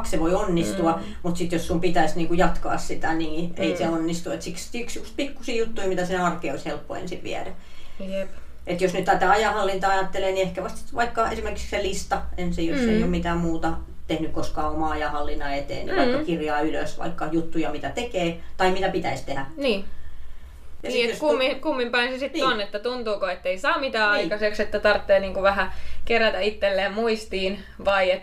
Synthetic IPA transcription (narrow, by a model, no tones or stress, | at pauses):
kseʋoionːist̪uɑ | mut̪sit̪jossumpit̪æisniːŋkujɑt̪kɑ̰ːssit̪æniːeiseonːist̪uet̪sikst̪yksjukst̪̚pikːusiːjut̪ːuimit̪æsinæɑrkeːoishelpːo̰ḛnsiʋʋḭæ̰dæj | et̪josnyt̪ːɑt̪æɑjɑhɑlːint̪ɑɑjɑt̪ːeleːniehkæʋɑst̪ʋɑikːɑḛsimerkikselist̪ɑensijosːeijommit̪æːmmuːt̪ɑ | t̪ehnykkoskɑːomɑɑjɑhɑlːinːɑet̪ḛːnnḭʋɑikːɑkirjɑːylø̰sʋɑ̰ikːɑjut̪ːujɑmit̪æt̪ekeːt̪ɑimit̪æpit̪æist̪ehæniː | jɑnisiːejskumːikumːimpɑinsesit̪ːonet̪ːæt̪unt̪uːkoet̪ːeisɑːmit̪æːɑikɑsekset̪ːæt̪ɑrt̪ːeːniːŋkuʋæhækeræt̪æit̪ːelːeːmmuist̪iːn | ʋɑiet̪